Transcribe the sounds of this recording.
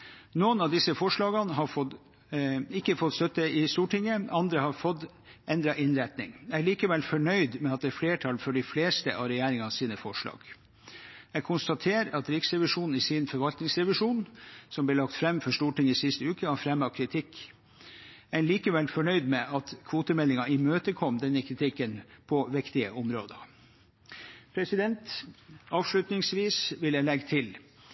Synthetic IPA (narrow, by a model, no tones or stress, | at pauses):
noːənɑd̪ɪsəfɔʂɭɑːɡənɦɑfɔ | ɪkːəfɔt̪st̪œt̪ːəɪst̪uːʈɪŋːəɑnd̪ɾəhɑfɔt̪ː | ʔɛnd̪ɾɑʔɪnɾæt̪nɪŋɛæɭiːkəʋɛlfɔɳœʏd̪mɛɑt̪̚d̪ɛːfleːʈʰɑlfɔɖɪfleːst̪ə̰ʔɑʋɾɛjæːɾɪŋɑsiːnəfɔʂɭɑ̰ːɡ̥ | ɛɡkʰʊnst̪ɑt̪ʰeːɾɑt̪ɾɪksɾɛʋɪʂuːnn̩ɪsɪnfɔɾʋɑlt̪nɪŋsɾɛʋɪʂuːnsɔmbleːlɑkt̪fɾɛmːfɔʂʈuːʈɪŋɪsɪst̪əʉːkəhɑɾfɾɛmɑkʰɾɪt̪ʰɪkː | æɪliːkəʋɛlfɔɳœʏd̪mɛʔɑt̪kʰʋuːt̪əmɛlːɪŋɑɪmøːt̪əkʰɔmd̪ɛnːəkʰɾɪt̪ʰɪkːənpʰɔʋɪkt̪ɪəʔɔmɾoːd̪ə | pʰɾɛsɪd̪ɛnt̪ɑːʋʂlʉt̪nɪŋsʋiːsʋɪləlɛɡt̪ʰɪl